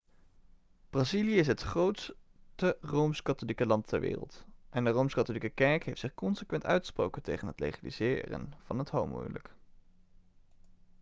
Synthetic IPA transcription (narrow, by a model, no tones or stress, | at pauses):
b̥rɑziliəɪs̬ɦətχrowtstərowmskɑtolikəlɑntʰɛ̰ɹʋɪ̰ːrə̰lˠtʔɛndərowmskɑtolikəkɛɹkɦejftsɪχkɔnsəkʋɛntœ̰ɥtχə̥spro̰wkəntejχənɦətlḛjχalḭz̥ɪ̰ːrə̰nv̥ɑ̰nɦətɦo̰wmṵjlə̰k